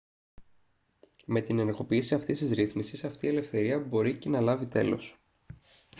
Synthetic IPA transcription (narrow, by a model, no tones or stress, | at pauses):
me̞t̪ineneɾɣo̞piːsiɐft̪ist̪izɾiθmisisɐft̪ie̞le̞fθe̞ɾiɐbo̞ɾice̞nɐlɐvit̪e̞̰lo̞̰s